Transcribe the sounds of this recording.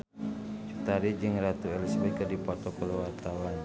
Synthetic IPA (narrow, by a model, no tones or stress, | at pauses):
t͡ʃut̪aɾid͡ʒɨŋrat̪uɛlisbɛkədipɔrt̪ɔkɔlɔwart̪awan